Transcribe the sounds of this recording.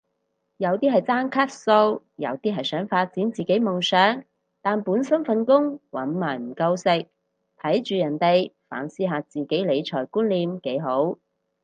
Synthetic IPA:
jɐ˨˧wt̪iː˥ɦɐ˨jt͡saː˥ŋkʰaː˥t̚so˧w | jɐ̰˨˧wt̪iː˥ɦɐ˨jsœː˨˥ŋfaː˧t̚t͡siː˨˥nt͡siː˨˩ke˨˥jmʊ˨˩ŋsœː˨˥ŋ | t̪aː˨npuː˨˥nsɐ˥mfɐ˧nkʊ˥ŋwɐ̰˨˥nmaː˨˩jm̩˨˩kɐ˧wsɪ˨˧k̚ | t̪ʰɐ˨˥jt͡ʃyː˨jɐ˨˩nt̪e˨jfa̰ː˨˥nsiː˥ɦaː˧t͡siː˨ke˨˥jle˨˧jt͡ʃʰɔː˨˩jkuː˥nliː˨mke˨˥jɦo˨˥w

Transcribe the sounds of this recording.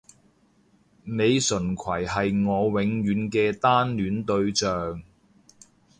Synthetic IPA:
ne˨˧jsɵ˨˩nkʰwɐ˨˩jɦɐ˨jŋɔː˨˧wɪ˨˧ŋjyː˨˧nkɛː˧t̪aː˥nlyː˨˥nt̪ɵ˧ɥt͡ʃœː˨ŋ

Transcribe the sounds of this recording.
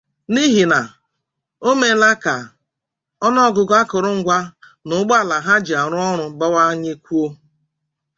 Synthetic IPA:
ni˦ɦi˨na˨ | o˦me˨˦la˦ka˨ | ɔ˦nɔ˦ɡʊ˨ɡa˦kʊ˨ɾʊ˦ŋ̩˦ɡʷa˦ | nʊ˨˦ɡ͡ba˨la˨ɦa˦d͡ʒi˨a˨ɾʊ˦ɔ˦ɾʊ˦ba˦wa˦ɲe˦kʷu˦o˦

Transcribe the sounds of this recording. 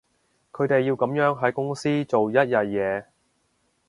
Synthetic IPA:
kʰɵ˨˧˥t̪e˨jːi˧wkɐ˨˧˥mjœː˨˥ŋɦɐ˨˥jkʊ˥ŋsiː˥t͡so˨wjɐ˥t̚jɐ˨t̚jɛː˨˧

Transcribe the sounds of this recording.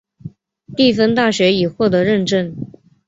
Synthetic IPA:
t̪i˥˩fə˥nt̪a˥˩ɕɥɛ˧˥i˨˩xwɔ˥˩t̪ɤ˧˥ɻə˥˧nʈ͡ʂə˥˧n

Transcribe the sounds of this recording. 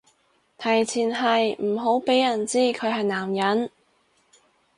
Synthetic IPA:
t̪ʰɐ˨˩jt͡sʰiː˨˩nɦɐ˨jm̩˨˩ɦo˨˥wpe˨˥jːɐ˨˩nt͡siː˥kʰɵ˨˧ɥɦɐ˨jnaː˨˩mjɐ˨˥n

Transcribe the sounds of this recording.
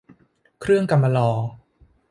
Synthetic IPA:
kʰɾɯ˥˩əŋka˧mːa˧lɔː˧

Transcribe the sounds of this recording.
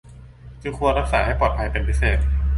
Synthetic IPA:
t͡ɕʰɯː˧˥kʰu˧ənɾa˦˥k̚saː˩˦ha˥˩jpɔː˨˩t̪̚pʰa˧jpe˧npʰi˦˥seː˨˩t̪̚

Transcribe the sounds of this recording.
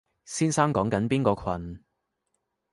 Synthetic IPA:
siː˥nsaː˥ŋkɔː˨˥ŋkɐ˨˥npiː˥nkɔː˧kʰɐ˨n

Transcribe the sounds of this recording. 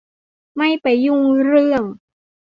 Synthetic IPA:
ma˥˩jpa˨jːu˧˩ŋɾɯ˥˩əŋ

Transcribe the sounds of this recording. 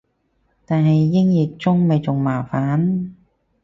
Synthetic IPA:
t̪aː˨nɦɐ˨jːɪ˥ŋjɪ˨˩k̚t͡sʊ˥ŋme˨˧jt͡sʊ˨˩ŋmaː˨˩faː˨˥n

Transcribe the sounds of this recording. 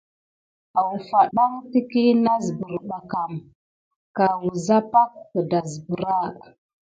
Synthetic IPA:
a˨wu˨fa˨ɗa˦ŋti˦ki˦na˦zbə˨ɾɗa˨ka˨m | ka˨wu˨za˦pa˦k̚ːda˨zbə˨ɾa˦˨

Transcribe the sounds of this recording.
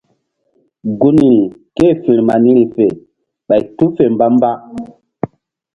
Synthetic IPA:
ɡu˦ni˨ɾi˨ke˦˨fi˨ɾma˨ni˦ɾi˨fe˨ | ɓa˨jtu˦fe˨m˨ba˦m˦ba˦

